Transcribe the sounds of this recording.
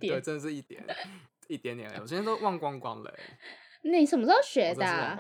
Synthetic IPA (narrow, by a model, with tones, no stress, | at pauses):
jə˧ʈ͡ʂə˥˧nd̪ə˩ʂɻ̩˥˩i˥˩t̪jɛ̰˧˦n | i˥˩t̪jɛ˧˦nt̪jna̰˨˧˩wi˥˧nʰ˥˧to˥ʊwɑ˥˩ŋkwɑ˥ŋkwɑ̰˦ŋlə̰˨˦ | nẽ˥˨˩sə˨˩mə˨˥ɔ˥˩ɕɥɛ˨˧˦da˧˩